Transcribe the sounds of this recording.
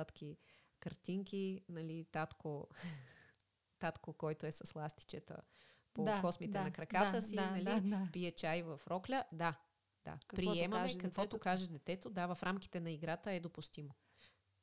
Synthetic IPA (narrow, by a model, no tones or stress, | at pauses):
at̪kʰʲi | kəɾt̪iŋkinɐlit̪at̪ko | t̪at̪kokɔjt̪oɛsɐslˠast̪i̥t͡ʃɛt̪ə̰ | pokɔsmit̪ɛnɐkɾɐkat̪əsinɐlipiɛt͡ʃajvɐfɾɔklʲəd̪a | d̪̥a̰kpɾiɛmɐkɐkvɔt̪okaʒɛd̪ɛt̪ɛt̪od̪avɐfɾʔamk̟i̥t̪ɛnɐiɡɾat̪əɛd̪opust̪imo